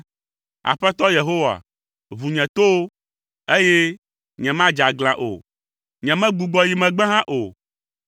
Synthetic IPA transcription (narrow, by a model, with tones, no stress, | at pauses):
a̰˨ɸɛ˦t̪ɔ˦je˨ɦo˦wa̰˨ | vu˨ɲɛ̃˨t̪o˦w | e˦je˦ | ɲɛ̃˨mã˦d͡ʒa˨ɡl̃ã˨ʔo̰˨ | ɲɛ̃˨mɛ̃˦ɡ͡bu˨ɡ͡bɔ˦ji˨mɛ̃˨ɡ͡bɛ̃˦ɦã˦ʔo˨